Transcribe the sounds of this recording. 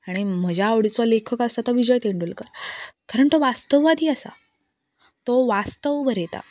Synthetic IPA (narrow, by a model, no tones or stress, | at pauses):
aɽ̃im̤əd͡ʑʱjaːʋɽit͡sʋalekʰəkasat̪ɔʋid͡ʑɔjt̪eɳɖuːlkəɾkaɾəɳt̪oʋast̪əʋʋad̪iːəsa̰ | t̪oʋast̪əʋbəɾet̪a̰